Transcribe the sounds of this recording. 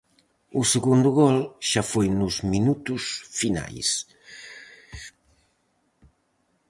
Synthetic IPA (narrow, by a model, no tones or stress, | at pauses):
useɣund̪uɣɔlʃafojnuzminut̪usfina̰js